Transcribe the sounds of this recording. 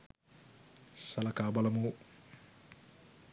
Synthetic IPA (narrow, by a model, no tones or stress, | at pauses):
sɐlɐkaːbɐlɐmu